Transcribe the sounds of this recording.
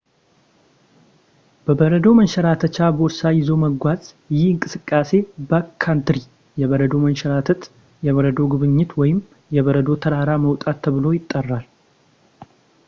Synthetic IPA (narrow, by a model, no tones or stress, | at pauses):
b̥əbəɾəd̪o̞mənʃɛɾat̪ʰət͡ʃabɾsajɪzo̞məɡʷazʼ | jɪhɨŋkʼɨsɨkʼːase̞bəkʰːant̪ɾi | jɛβəɾəd̪o̞mənʃɛɾat̪ʰət̪ | jɛβəɾəd̪o̞ɡɨβɨɲːɪt̪wɔjɪm | jɛβəɾəd̪o̞t̪ʰəɾaɾaməwt̪ʼat̪ʰːəβɨlo̞jɪt̪ʼːərːal